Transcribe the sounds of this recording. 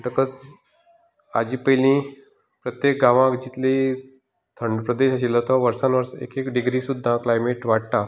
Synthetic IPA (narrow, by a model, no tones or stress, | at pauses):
ʈəkət͡s | a̰d͡ʑiːpəlĩ | pɾət̪jek̚ɡaʋãkd͡ʑit̪li | t̪ʰəɳɖpɾəd̪eɕaɕ̬ilət̪ɔʋəɾsãnʋəɾsḛkekɖiɡɾiːsud̪ʱːaklajmeʈʋaʈ̚t̪a